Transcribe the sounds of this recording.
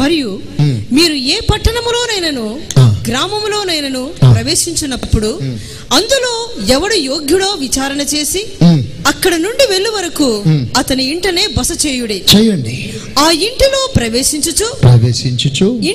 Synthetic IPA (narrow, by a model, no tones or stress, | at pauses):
mɐɾiju | miːɾueːpɐʈːɐɳɐmlo̞ːnɐjnɐnuɡɾaːmɐmlo̞ːnɐjnɐnupɾɐʋe̞ːʃiɲt͡ʃunɐpːuɽu | ɐnd̪ulo̞ːɛʋɐɽujoːɡjuɽoːʋit͡ʃaːɾɐnɐt͡ʃe̞ːsiɐkːɐɽɐnuɳɖiʋe̞ɭːiʋɐɾɐkuɐt̪ɐniːɳʈɐne̞ːbɐsɐt͡ʃeːjuɽet͡ʃɛjɐɳɖi | aːiɳʈilo̞ːpɾɐʋeːʃiɲt͡ʃut͡ʃupɾɐʋeːʃiɲt͡ʃut͡ʃu